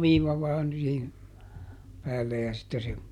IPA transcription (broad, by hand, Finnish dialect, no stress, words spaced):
ʋiːʋɑ ʋɑːn siːhin pæːlːe jɑ sitːe se